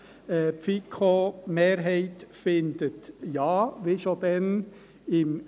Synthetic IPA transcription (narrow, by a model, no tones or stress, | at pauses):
pfikʰomeːɾɦɛɪt̪fɪnd̪̥ət̪jɑːʋɪʃod̪ɛn | ɪm